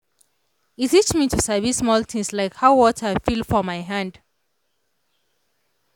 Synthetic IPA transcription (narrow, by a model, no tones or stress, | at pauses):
itit͡ʃmitʰusəvismɔltʰĩŋslaɪkhawwɔtʰəafilfɔmaɪɦãnd